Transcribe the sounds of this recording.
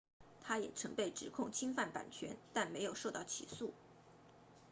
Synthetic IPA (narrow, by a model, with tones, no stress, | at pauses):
t̪ʰa˥jɛ̰˨˩ʈ͡ʂʰɤ˧˥ŋpe˥˩ɪʈ͡ʂɻ̩˨˩kʰʊ˥˩ŋt͡ɕʰi˥ŋfa˥˩npa̰˨˩nt͡ɕʰɥɛ̰˧˥nt̪a˥˩nme˧˥ɪjo˨˩ʊʂo˥˧ʊt̪ɑ˥˩ʊt͡ɕʰḭ˨˩su˥˩